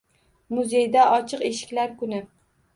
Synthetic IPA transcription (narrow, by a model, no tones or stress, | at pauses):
mʊzejd̪aʔɒt͡ʃʰɨqe̞ʃɪ̥kʲlaɾkʊnɪ